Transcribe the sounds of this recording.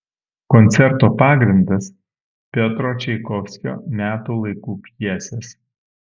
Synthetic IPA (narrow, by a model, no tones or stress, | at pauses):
kɔnʲt̪sʲɛɾt̪oːpɑːɡɾʲɪnd̪ɐs | pʲɛt̪ɾoːt͡ʃʲɛɪkɔfʲsʲkʲo̰ːmʲæːt̪uːlˠɐɪkuːpʲjiɛsʲɛs